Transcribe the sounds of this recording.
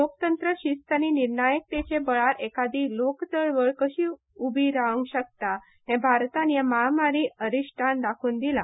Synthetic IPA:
lokt̪ənt̪ɾəɕist̪aniniɾɳajək̚t̪et͡ɕebəɭaɾekad̪iːlokt͡səɭʋəɭkəɕiː | ubʱiɾaʋəŋɡɕək̚t̪a | ɦɛ̃bʱaɾt̪anjamaɦamaɾiːəɾiɕʈʰand̪akʰuːnd̪ila

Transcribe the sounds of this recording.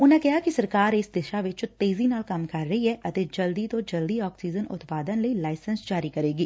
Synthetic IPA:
ʊnɦẽkɛɦakisɐɾkaːɾɪsd̪ɪʃaʋɪt͡ʃʊt̪eːzinaːlkaːmkɐɾːɐɦiɦɛʔɐt̪ɪd͡ʒɐld̪it̪od͡ʒɐld̪iɔːksiːd͡ʒənʊ̰t̪paːd̪ənlɐilaːɪsə̃nsd͡ʒaːɾikɐɾeːɡiː

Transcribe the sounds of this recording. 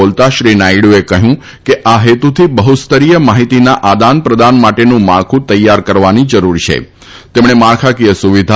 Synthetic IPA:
olt̪aʃɾinaiɽuekəɦjũ | keʔaɦet̪ut̪ʰibəɦut̪st̪əɾijəmaɦit̪inaʔad̪anpɾəd̪anmaʈenũmaɭkʰũt̪əjːaɾkəɾʋanid͡ʒəɾuɾt͡ʃʰḛ | t̪emɳemaɭkʰakiəsuʋid̪ʱa

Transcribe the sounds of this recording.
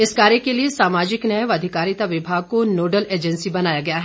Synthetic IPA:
ɪskaːɾjekeliesaːmaːd͡ʒɪknɐjʋɐd̪ʱɪkaːɾit̪aʋɪbʱaːɡ̚konoːɖəleːd͡ʒɛ̃nsibɐnaːjaɡɐjaɦɛː

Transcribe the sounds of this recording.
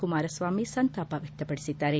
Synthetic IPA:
kumaːɾɐsʋaːmisɐnt̪aːpaʋʱjɐk̚t̪ɐpɐɽisit̪ːaːɾe

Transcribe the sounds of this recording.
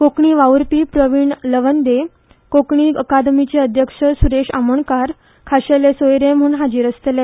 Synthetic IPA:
kokɳiːʋauɾpiːpɾəʋiːɳləʋənd̪e | kokɳiːəkad̪mit͡ɕeəd̪ʱjəkʂəsuɾeʂa̰məɳkaɾ | kʰaɕelesojɾẽm̤uːnɦad͡ʑiːɾəst̪ele

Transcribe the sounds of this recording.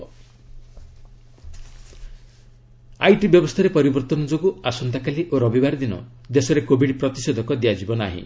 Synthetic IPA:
a̰jʈibjɔbɔst̪ʰaɾepɔɾibɔɾt̪ɔnɔd͡ʒoɡuasɔnt̪akaliʔoɾɔbibaɾid̪inɔ̰d̪esɔɾekobʱiɽpɾɔt̪isɔd̪ʱɔkɔd̪iad͡ʒibɔna̰ɦḭ̃

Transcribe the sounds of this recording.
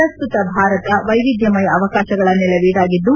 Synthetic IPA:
ɐst̪ut̪ɐbʱaːɾɐt̪ɐʋɐjʋid̪jɐmɐjɐːʋɐkaːʃɐɡɐɭɐnːɛlɐʋiːɽaːɡid̪ːu

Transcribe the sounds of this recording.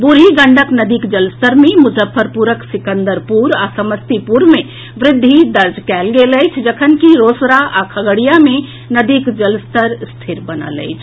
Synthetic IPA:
buɾɦiɡəɳɖʱəknəd̪ikd͡ʒəlst̪əɾmemud͡ʒəpʰːəɾpuɾəksikənd̪əɾpuɾasəməst̪ipuɾme | ʋɾɪd̪ʱːid̪əɾd͡ʒkɛlɡeləɪt͡ʃʰd͡ʒəkʰənkiɾosɾaʔakʰəɡəɽijame | nəd̪ikd͡ʒəlst̪əɾst̪ʰiɾbənə̰lə̰ɪt͡ʃʰ

